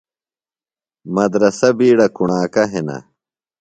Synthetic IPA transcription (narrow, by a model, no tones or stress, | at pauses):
mɐd̪ɾɐsɐbiːɽɐkuɳaːkɐɦenɐ̰